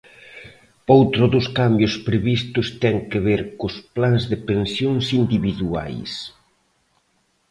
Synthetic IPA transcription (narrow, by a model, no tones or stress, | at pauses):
owt̪ɾʊðʊskambjʊspɾeβist̪ʊst̪ɛŋkeβeɾkʊsplanzðɪpẽnsjoŋsind̪iβiðua̰js